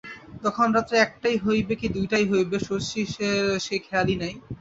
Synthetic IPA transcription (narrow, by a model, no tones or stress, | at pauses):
t̪ɔkʰonɾat̪ːɾeɛk̚ʈajɦojbekid̪ujʈajɦojbeʃoʃiʃeɾʃekʰalinaj